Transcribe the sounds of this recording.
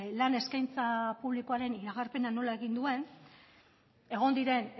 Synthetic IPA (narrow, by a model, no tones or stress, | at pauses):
lane̞skajnt͡sapuβlikoaɾe̞niɾaɣaɾpe̞nano̞lae̞ɣind̪ue̞n | e̞ɣ̞o̞nd̪iɾe̞n